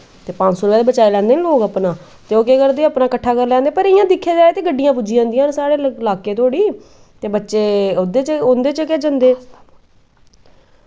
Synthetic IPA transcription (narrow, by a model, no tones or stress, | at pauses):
t̪eːpãd͡ʒsoːɾʊpɛːd̪eːbət͡ʃaːilɛ̃ːnd̪eːnĩːloːkapnãː | t̪eːoːkeːkəɾd̪eːaːpnaːkəʈʰːaːkəɾlɛ̃ːnd̪eːpəɾɪjãːd̪ɪkʰːeːd͡ʒaːeːt̪eːɡəɖːɪjãːpud͡ʒɪjãːnd̪ɪjãːnsaːɽeːɪlaːkeːt̪ooːɽiː | t̪eːbətːʃeːd̪eːt͡ʃʊnd̪eːt͡ʃəkeːd͡ʒənd̪eː